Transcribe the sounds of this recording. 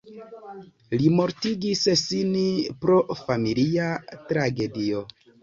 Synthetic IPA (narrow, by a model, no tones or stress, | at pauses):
limo̞ɾtiɡissinipɾo̞familiatɾaɡe̞dio̞